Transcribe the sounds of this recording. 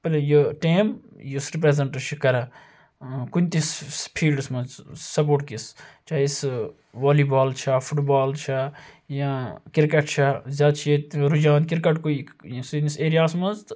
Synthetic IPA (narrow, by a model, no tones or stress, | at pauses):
pɐlejəʈeːmjusɾipɾezɐɳʈt͡ʃʰikɐɾɐ̃ | kunʲt̪ispʰiːlɖsmɐzsɐp̬oːʈkist͡ʃaːjs | ʋaːliːbaːlt͡ʃʰafʰuʈbaːlt͡ʃʰajãkiɾkɐʈt͡ʃʰazjaːd̪t͡ʃʰieɾud͡ʒãːnkiɾkɐʈkoisniseːɾijaːsmɐnzt̪